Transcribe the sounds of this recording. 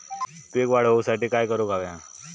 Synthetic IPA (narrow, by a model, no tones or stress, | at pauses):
t̪uekʋaɽ̤əɦousaʈiːkajkəɾokaʋja